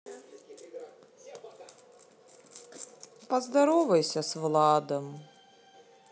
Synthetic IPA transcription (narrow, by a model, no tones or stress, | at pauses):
pɐzd̪ɐɾɔvɐjsʲɐsvlˠad̪ɐm